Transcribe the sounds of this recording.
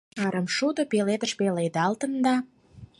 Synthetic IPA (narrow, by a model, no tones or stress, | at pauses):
əɾəmʃud̪ŏpeled̪ə̆ʃpeled̪ɑlt̪ə̆nd̪ɑ